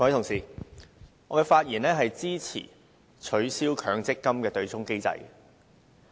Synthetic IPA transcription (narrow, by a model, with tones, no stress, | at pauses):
kɔ˨˥˨t̪ʊ˨˩ŋsiː˨˩ | ŋɔː˨˧kɛː˧faː˧t̚jiː˨˩nɛː˥ɦɐ˨jt͡siː˥t͡sʰḭː˨˩ | t͡ʃʰɵ˨˧˥ɥsiː˥wkʰœː˨˧ŋt͡sɪ˥kːɐ˥mkɛː˧t̪ɵ˧ɥt͡sʊ˥ŋke˥jt͡sɐ̰˧j